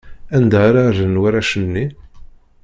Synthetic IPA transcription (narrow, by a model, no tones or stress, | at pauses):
ænd̪aaɾaðənwaɾæʃənːi